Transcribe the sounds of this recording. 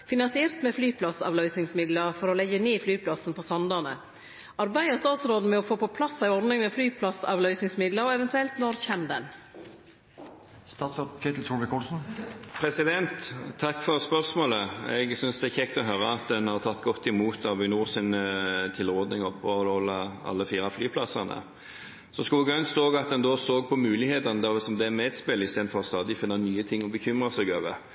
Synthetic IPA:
fɪnɑnsɪɛɾt̪mɛflyːpʰlɑsɑ̰ʋlœʏsɪŋsmɪd̪ləɾfɔɾɔlɛɡəneːflyːpʰlɑsn̩pʰɔsɑnd̪ɑnə | ɑɾbæɪəst̪ɑːt̪sɾoːd̪n̩mɛɔfoːpɔpʰlɑsːæɪɔɾd̪nɪŋmɛflyːpʰlɑsɑ̰ːʋlœʏsɪŋsmɪd̪ləɾɛʋɛnt̪ʉɛlt̪nɔɾçɛmd̪ɛn | st̪ɑːt̪sɾod̪kʰɛt̪l̩t̪ʰuːɾʋɪkʰɔlsn̩pʰɾɛsɪd̪ɛnt̪ʰːɑkːfɔɾspœɾsmoːləɛ̰ɡsʏnsd̪ɛçɛkt̪ɔɦœɾəɑt̪d̪ɛnhɑʁt̪ʰɑt̪ːɡɔt̪ːɪmuːt̪ʰɑʋɪnuːsɪnt̪ʰɪlʁoːd̪nɪŋɔpʰːɔlɔlːəɑ̰lːəfiːɾɑflyːpʰlɑsɑʁnə̰ | sɔskuːɡœnst̪oːɡɑt̪̚d̪ɛnd̪oːsoːɡ̚pʰɔmʉːlɪheːt̪ɑnəd̪ɛʋɛsɔmd̪ɛæmɛːt̪spɪlːɪst̪eːd̪n̩fɔʁɔst̪ɑːd̪ɪfɪnːənyːət̪ʰɪŋːɔbəçʏmʁɑsɛɡoːʋə̰

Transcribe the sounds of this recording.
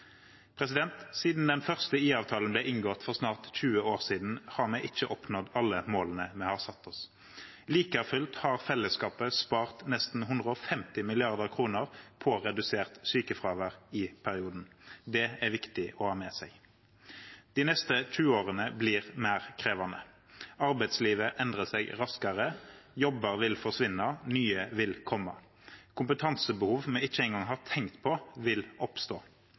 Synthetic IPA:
pʰʁɛsɪd̪ɛnt̪siːd̪n̩d̪ɛnfœʁst̪əiːɑːʋt̪ʰɑːlən̩blɛːʔɪŋɡɔt̪fɔʁsnɑːʁt̪c͡çʉːəoːʁsiːd̪n̩hɑːʁmɛːʔɪt͡ʃːəʔɔpnɔd̪ɑlːəmoːlənəmɛhɑːsɑt̪ʰːɔs | liːkɑfʏlt̪hɑːʁfɛlːəskɑːpəspɑːʁt̪nɛst̪n̩ɦʉnd̪ʁəɔfɛmt̪ɪmɪlɪɑʁd̪əʁkʰʁuːnəʁpʰɔʁɛd̪ʉseːʁt̪syːkəfʁɑːʋəʁɪpʰæʁɪuːd̪n̩d̪ɛæɾʋɪkt̪ɪʔɔhɑːmɛsɛɡ | d̪̥ɪːnɛst̪ət̪ʰʉːoːʁənəbliːʁmæːʁkʰʁeːʋɑnə | ɑʁbɛɪt̪sliːʋəʔɛnd̪ʁəsɛɡʁɑskɑʁəjɔbəʁʋɪlfɔʁʂʋɪnːɑnyːəʋɪlkʰɔmːɑ̰ | kʰʊmpət̪ʰɑnsəbəhuːʋmɛɪt͡ʃːəɛɪŋɡɑŋɦɑːʁt̪ʰɛŋkt̪pʰɔʋɪlɔpst̪oː

